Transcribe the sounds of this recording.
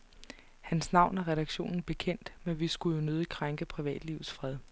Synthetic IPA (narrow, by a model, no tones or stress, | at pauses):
hænsnɑ̈ʊ̰næʁɛɾɑ̈ɡ̥ɕo̝̰ːnn̩b̥e̝kʰen̰d̥menʋisɡ̥ujo̝nøð̞ˠikʰʁaŋɡ̥əpʰʁiʋɛ̰ːd̥liʊð̩ˠsfʁɛð̞ˠ